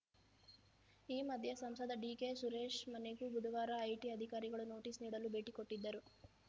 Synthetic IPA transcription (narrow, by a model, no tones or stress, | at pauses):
iːmɐd̪ʱjɐsɐmsɐd̪ɐɖiːkeːsuɾeːʂmɐneɡubud̪ʱɐʋaːɾɐːjʈiɐd̪ʱikaːɾiɡɐɭunoːʈiːsniːɽɐlube̞ːʈikoʈːid̪ːɐɾu